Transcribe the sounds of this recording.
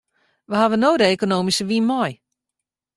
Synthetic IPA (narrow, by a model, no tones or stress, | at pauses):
ʋəhaʋənoːdəekonoːmisəʋinmɔj